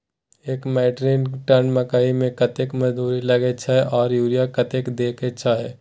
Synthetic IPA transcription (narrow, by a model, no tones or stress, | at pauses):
eːkmɛːʈɾiːnʈɐnmɐkaːimẽkɐt̪ekmɐzd̪uːɾilɐɡet͡ʃʰaːɦɛʔɔːɾjuːɾijakɐt̪ekd̪eːket͡ʃʰaːɦɛː